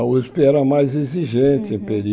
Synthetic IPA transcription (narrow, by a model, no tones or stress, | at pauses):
ispeɛɾɐmajzeziʒẽnt̪ɪẽpeɾi